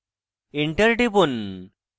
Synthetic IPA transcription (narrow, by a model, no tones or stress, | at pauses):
iɳʈəɾʈibun